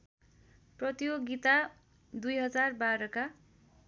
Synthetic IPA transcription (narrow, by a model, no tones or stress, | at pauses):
prʌt̪ioɡit̪a | d̪ujɦʌd͡zarbaɾʌka